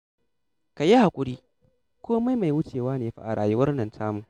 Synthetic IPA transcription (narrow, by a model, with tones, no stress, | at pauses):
ka˨ja˦ha˨kʷʼʊ˦ɽiː˦ | kʷʰoː˦ma˦jma˨jwʊ˦t͡ʃeː˨waː˦neː˨ɸa̰˦ʔa˨ɽa̰ː˨jʊ˦wɐ˦rnɐ˨ntʰaː˦mu˨